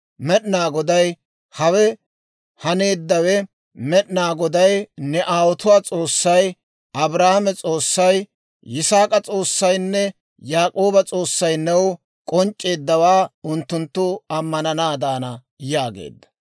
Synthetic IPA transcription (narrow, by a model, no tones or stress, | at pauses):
mɛɗnaːɡɔd̪ɐj | hɐwɛ | hɐne̞ːd̪ːɐwɛ | mɛɗnaːɡɔd̪ɐjnɛʔaːwɔt̪ʊwaːt͡sʼo̞ːsːɐj | ɐbɾaːhmɛt͡sʼo̞ːsːɐjː | ɪsaːkʼɐt͡sʼo̞ːsːɐjnːɛ | jaːkʼo̞ːbɐt͡sʼo̞ːsːɐjnɛw | kʼɔnt͡ʃʼːe̞ːd̪ːɐwaːʊnt̪ːʊnt̪ːʊɐmːɐnɐnaːd̪aːnɐ | jaːɡḛːd̪ːɐ̥